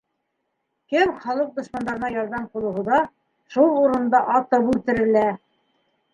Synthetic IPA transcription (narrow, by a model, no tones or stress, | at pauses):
kɘmχɑlˠɤq̚d̪ŏʃmɑnd̪ɑɾɤ̆nɑjɑɾðɑmqulˠɤ̆wɦɤ̆ðɑ | ʃulˠuɾɤ̆nd̪ɑʔɑt̪ɤpʉlt̪ɘ̆ɾɘ̆læ